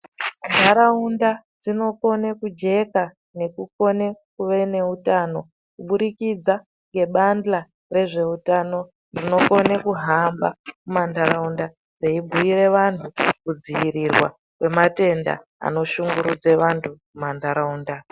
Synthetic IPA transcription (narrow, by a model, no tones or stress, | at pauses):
ndʱaɾaunda | d͡zino̞ko̞nekud͡ʒe̞ka | ne̞kuko̞ne̞kuʋe̞ne̞utaːno̞ | kuɓuɾikid͡za | ŋɡe̞ɓanda | re̞ʐe̞utano̞ | nrino̞ko̞nekuɦamba̰kumandʱaɾaunda | d͡zeibʱuiɾe̞ʋantʰukud͡ziirirwa̰ | kwe̞mate̞nda̰ | a̰no̞ʃuŋɡuɾud͡ze̞ʋantʰukumandaɾauːnda